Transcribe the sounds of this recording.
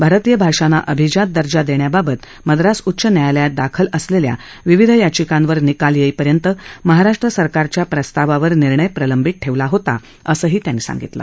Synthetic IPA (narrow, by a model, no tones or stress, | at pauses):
bʱaɾət̪ijəbʱaʂana̰ʔəbʱid͡ʑat̪̚d̪əɾd͡ʑad̪eɳjababət̪ | məd̪ɾasutːɕənjajljad̪akʰələslelja̰ | ʋiʋid̪ʱəjat͡ɕikãnʋəɾnikaljeipəɾjənt̪əməɦaɾaʂʈɾəsəɾkaɾt͡ɕjapɾəst̪aʋaʋəɾniɾɳəjpɾələmbʱit̪̚ʈʰeʋlaɦot̪a̰ | əsəːɦiːt̪janːiːsa̰ŋɡit̪lə̰